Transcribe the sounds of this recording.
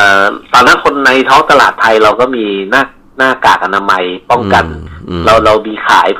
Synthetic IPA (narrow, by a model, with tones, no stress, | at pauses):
ʔaː˨˩t̪ɔː˨˩nːaː˦˥kʰo˧nːa˧jt̪ʰɔː˦˥ŋt̪a˧la̰ː˨˩t̪ʰːa˧jɾa˧wkɔː˥˩miː˧naː˥˩ | naː˥˩kaː˨˩k̚ʔa˧naː˧ma˧jpɔ˥˩ŋka˧nɾa˧wɾa˧wmiː˧kʰa̰ː˩˦j